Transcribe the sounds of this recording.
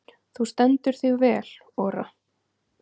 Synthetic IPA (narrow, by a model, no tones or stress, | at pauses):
θust̪ɛnt̪ʏɾ̥θɪɣvɛːl̥ | ɔːɾa̰